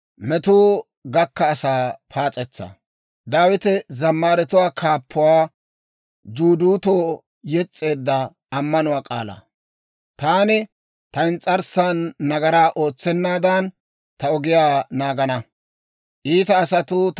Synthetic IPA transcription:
mɛt̪uː | ɡɐkːɐːsaːpʰaːt͡sʼɛt͡sːɐ̰ | d̪aːwɪt̪ɛzɐmːaːɾɛt̪ʊwaːkʰaːpʰːʊwaː | d͡ʒuːd̪uːt̪oː | jɛt͡sʼːe̞ːd̪ːɐː | mːɐnʊwaːkʼa̰ːlɐ̰ | t̪aːnɛ | t̪ɐɪnt͡sʼɐɾsanːɐɡɐɾaːʔo̞ːt͡sːɛnːaːd̪ɐn | t̪ɐɔɡɪjaːnaːɡɐnɐ | ʔiːt̪ɐːsɐt̪ʊ

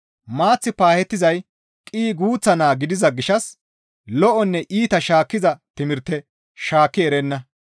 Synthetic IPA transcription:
maːt͡sːɪpaːhɛt̪ːɪzɐj | kʼiːɡuːt͡sːɐnaːɡɪd̪ɪzɐɡɪʃɐs | lɔʔɔnːɛʔiːt̪ɐʃaːkːɪzɐt̪ɪmɪɾt̪ːɛ | ʃaːkːɪɛɾɛnːɐ

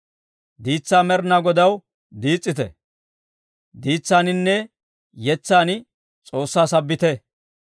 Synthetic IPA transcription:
d̪iːt͡sːaːmɛɾnaɡɔd̪ɐw | d̪iːt͡sʼːɪt̪ɛ̰ | d̪iːt͡sːaːnɪnːɛ | jɛt͡sːaːnɪ | t͡sʼo̞ːsːaːsɐbːɪt̪ɛ

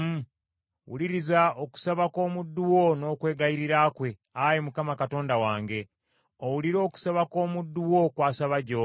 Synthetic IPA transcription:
wṵliɾizaoku̥saβako̞ːmudːuwo̞no̞ːkwe̞ːɡajiɾiɾaːkwe̞ | ajemukamakato̞ːndawaːŋɡe̞ | owuliɾo̞ːku̥saβako̞ːmudːuwo̞kwaːsaβaɟoː

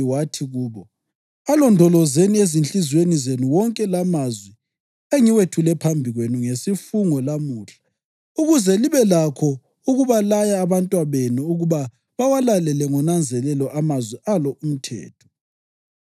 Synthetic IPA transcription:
iwatʰiɣuːβɔ | alɔndʱɔlɔzeniezint͡ɬʼizwenizenuwɔŋkʼɛlamazwɛ | eŋiwetʰulɛpʰambʱiɣwenuŋesifuŋɔlamuːɬḁ | uɣuzɛliβɛlakʰɔ | uɣuβalajaːβantʼwaβenuuɣuβa | βawalalɛlɛŋɔnand͡zʱɛlɛlɔʔamazwɛʔalɔum̩tʰɛ̰ːtʰɔ̥

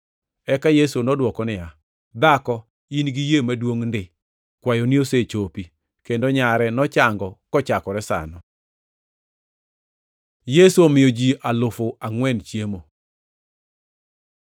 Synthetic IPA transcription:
ɛkajesonɔdwɔkɔnɪja | d̪akɔ | inɡijemadwoŋndɪ | kwajonioset͡ʃopi | kendoɲaɾɛnɔt͡ʃaŋɡɔkɔt͡ʃakɔɾɛsa̰nɔ | jesuomɪjod͡ʒiʔalʊfoaŋwɛnt͡ʃjemo

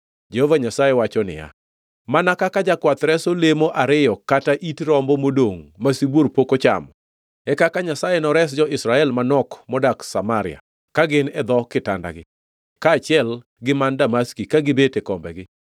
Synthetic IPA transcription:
d͡ʒehovaɲasajewat͡ʃɔnɪ̰ja̰ | manakakad͡ʒakwat̪ɾɛsolemoʔaɾɪjɔkataʔitɾɔmbɔmodoŋmasiboɾpokot͡ʃa̰mɔ | ɛkakaɲasajenɔɾɛs̬d͡ʒɔʔɪsɾaɛlmanɔkmɔdaksamaɾɪja̰ | kaɡɪnɛd̪ɔkɪta̰nda̰ɡɪ | kaːt͡ʃɪɛl | ɡɪmandamaskikaɡɪbetekɔmbɛ̰ɡɪ

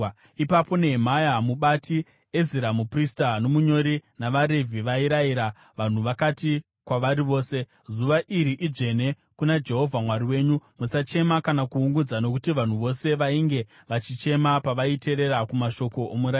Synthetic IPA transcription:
ipapo̞neɦemajamuɓati | eziɾamupristano̞muɲo̞ɾinaʋaɾe̞vʱiʋaiɾaiɾa | ʋan̤uʋakati | kwaʋaɾiʋo̞ːse̞ | zuʋaʔiɾiʔiʐe̞ne̞ | kunad͡ʒe̞ɦo̞vʱamwaɾiwe̞ːɲumusat͡ʃe̞makanakuuŋɡud͡zano̞kutiʋan̤uʋo̞se̞ʋaiŋɡe̞ | ʋat͡ʃit͡ʃe̞mapaʋaite̞ɾe̞ɾakumaʃo̞ko̞ʔomuɾai

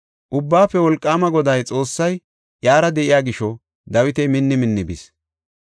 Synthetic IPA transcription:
ʔʊbːaːpːɛwɔlkʼːaːmɐɡɔd̪ɐjt͡sʼo̞ːsːɐj | jaːɾɐd̪ɛʔɪjaːɡɪʃɔ | d̪ɐwɪt̪ɛjmɪnːɪmɪnːɪbɪ̰s

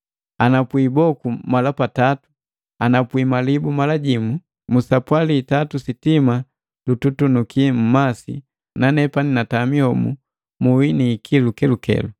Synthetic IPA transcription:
anapwibɔkumalapatatu̥ | anapwimalibumalaɟimu | musapwaliːtatusitima | lututunukʰim̩masḭ | nanɛpaninatamihɔmṵ | muwiniːkʰilukɛlukɛ̰lu

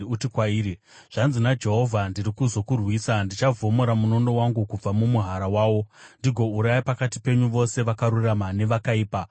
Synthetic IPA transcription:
utikwaiːɾi | ʐ̥anzinad͡ʒe̞ɦo̞vʱandiɾikuzo̞kurwiːsandit͡ʃavʱo̞mo̞ɾamuno̞ndo̞waŋɡukub͡vamumuɦaɾawaːwo̞ndiɡʱo̞uɾajipakati̥pe̞ɲuʋo̞se̞ʋakaɾuramane̞ʋakaiːpa

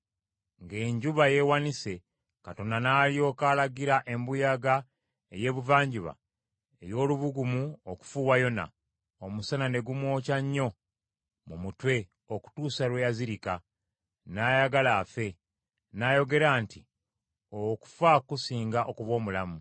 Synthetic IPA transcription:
ŋɡe̞ːɲɟuβaje̞wanise̞ | kato̞nanaːlijo̞ːkaːlaɡiɾaʔe̞mbujaɡa | e̞je̞ːβuvaːɲɟuβa̰ | e̞jo̞ːluβuɡumuoku̥fuːwajo̞na̰ | omusanane̞ɡumwo̞ːcaɲːo̞ | mumutwe̞ | o̞ku̥tuːsalwejaziɾika | naːjaɡalaːfe̞ | najo̞ɡe̞ɾaːnti | oku̥fakusiːŋɡaʔokuβwo̞ːmulamu

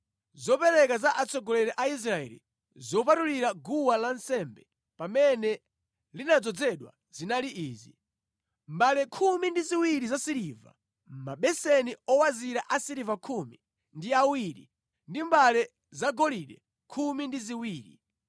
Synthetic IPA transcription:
zɔpɛɾɛkazaʔat͡sɔɡɔlɛɾɛʔais̬ɾaɛ̰lḭ | zɔp̬atuliɾaɡuwalansɛmbɛ | pamɛnɛ | linad͡zɔd͡zɛɗwa̰ | z̥inaliʔiːzi | mbalɛkʰumindiziwiɾizasiɾiva̰ | maɓɛsɛniɔwaziɾaʔasiɾivakʰumi | ndiawiɾḭ | ndimbalɛ | zaɡɔliɗɛ | kʰumindiziwiːɾi

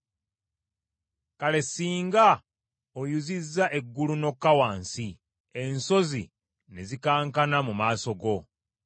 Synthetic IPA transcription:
kale̞siːŋɡa | ojuzizːaʔe̞ɡːuluno̞kːawaːnsi | e̞nso̞zi | ne̞zikaːŋkanamumaːso̞ɡo̞

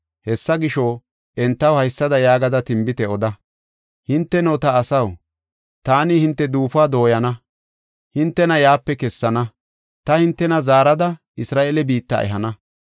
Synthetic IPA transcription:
hɛsːɐɡɪʃɔ | ʔɛnt̪ːɐwhɐjsːɐd̪ɐjaːɡɐd̪ɐt̪ɪmbɪt̪ɛɔd̪ɐ | hɪnt̪ːɛnot̪ɐːsɐw | t̪aːnihɪnt̪ːɛd̪uːfaːd̪o̞ːjɐnɐ | hɪnt̪ːɛnɐjaːpːɛkɛsːɐnɐ | t̪ɐhɪnt̪ːɛnɐzaːɾɐd̪ɐ | ɪsɾaːʔelɛbiːt̪ːa̰ʔɛ̰ɦɐnɐ

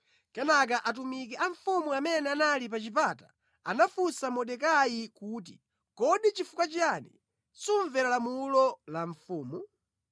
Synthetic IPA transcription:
kɛnak̬aʔat̬umikɛʔaɱfumuamɛnɛanalipat͡ʃip̬ata̰ | a̰nafusamɔɗɛkajikuːt̬ḭ | kɔɗit͡ʃifukwat͡ʃanḭ | suɱvɛɾalamulɔlaɱfuːmu

